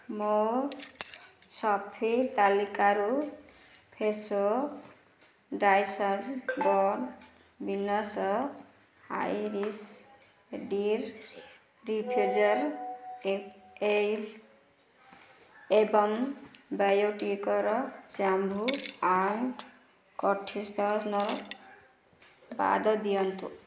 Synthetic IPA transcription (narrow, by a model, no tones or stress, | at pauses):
mo | sɔpʰit̪alikaɾu | pʰeso | ɖajsənbɔn | binɔs | ha̰jɾis | ɖiɾ | ɾipʰud͡ʒəɾ | el | ebəmbajoʈikəɾɔsambʱuaɳʈ | kɔʈʰːist̪asnɔ | ba̰d̪əd̪ijənt̪u